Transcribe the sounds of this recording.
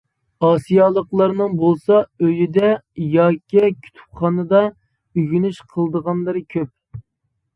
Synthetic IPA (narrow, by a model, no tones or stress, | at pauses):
ɑːsijɑlˠəqlˠɑɾnɨŋbolˠsɑøjid̪ɛjɑːkʲːikʲʰy̥t̪ʰy̥p̚χɑnɨd̪ɑ | yɡʲynyʃqʰəlˠd̪əʁɑnlˠəɾɨkʲʰøp̚